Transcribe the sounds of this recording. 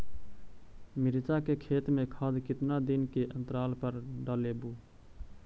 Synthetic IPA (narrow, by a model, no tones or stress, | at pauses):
mɪɾt͡ʃakekʰeːt̪mẽkʰaːd̪kɪt̪nad̪ɪnkeʔə̃nt̪ɾaːlpəɾɖaːlebuː